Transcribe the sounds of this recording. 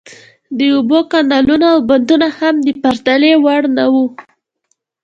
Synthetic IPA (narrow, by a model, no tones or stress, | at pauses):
d̪əobokandalunaawband̪unahamd̪əpaɾt̪alewaɽnawu